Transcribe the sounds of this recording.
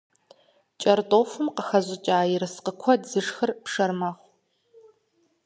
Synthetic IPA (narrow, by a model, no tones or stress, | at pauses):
t͡ʃʼɐrtʼoːfɨmqəxɐʑʷɪt͡ʃʼaːjɪɾɨsqəkʷʰɔdzɨʂxɨrpʂɐrmɐχʷ